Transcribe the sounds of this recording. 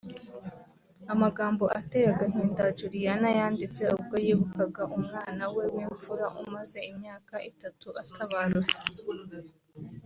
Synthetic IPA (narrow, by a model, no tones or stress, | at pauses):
amaɡaːmbo̞ʔatejaɡaɦiːndad͡ʒuɾijanajaːndit͡se̞ub̚ɡojiːβukaɡaʔumŋaːnawe̞wiːɱfuɾaʔumaze̞imɲaːkaʔitatuʔatʰaβaɾut͡se̥